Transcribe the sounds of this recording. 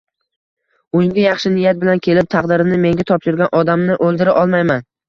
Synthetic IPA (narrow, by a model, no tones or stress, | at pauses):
ʊjɪŋɡʲajɑχʃɪnɪjat̪̚bɪlankʲʰe̞lɪp̚t̪ʰɑqd̪ɪɾɪnɪme̞ŋɡʲat̪ʰɒpʃɪɾɡʲanʔɒd̪amnɪʔɵlˠd̪ɪɾaʔɒlˠmajman